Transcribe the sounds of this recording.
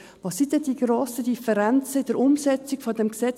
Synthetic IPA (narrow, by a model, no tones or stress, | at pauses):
ʋɑsːid̪ɛd̥iɡɾoːsəd̥̪ifəɾænt͡səɪd̥əɾʊmsɛt͡sɪkfɔdɛmksɛ